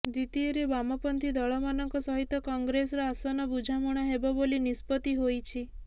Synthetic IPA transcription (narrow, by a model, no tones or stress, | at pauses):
d̪it̪ieɾebamɔpɔnt̪ʰid̪ɔɭɔmanɔŋkɔsɔɦit̪ːɔkɔŋɡɾesɾɔasɔnɔbud͡ʒʱamɔɽ̃ɔɦebɔbolinispɔt̪iɦojt͡ʃʰi